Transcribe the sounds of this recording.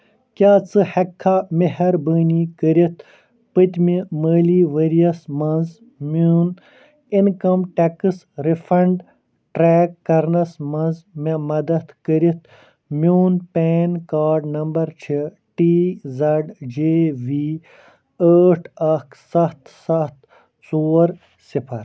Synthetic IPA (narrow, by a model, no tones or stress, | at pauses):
kʲaːt͡sɨhɐkʰːameɦɐɾbəːnikəɾit̪ʰ | pət̪ʲmiməːliːʋəɾijɐsmɐnz | muːn | inkɐmʈekɨs | ɾifɐɳɖ | ʈɾeːkːɐɾnɐsmɐnzmemɐd̪ɐt̪kəɾit̪ | mʲuːnpeːnkaːɾɖnɐmbɐɾt͡ʃʰi | ʈiːzɐɖd͡ʒeːʋiː | əːʈʰɐkʰsɐht̪sɐht̪ | t͡soːɾ | sipʰɐɾ